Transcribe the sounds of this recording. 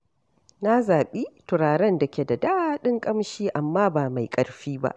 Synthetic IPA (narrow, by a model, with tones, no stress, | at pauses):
na˦zaː˨ɓiː˦tʊ˨ɾaː˨ɾɐ˦nda˨kʲe˨da˨da˦ɗɪ˦ŋkʼɐ˦mʃiː˦ʔa˨mːaː˦baː˨ma˨jkʼɐ˦ɽɸiː˦ba̰˦ʔ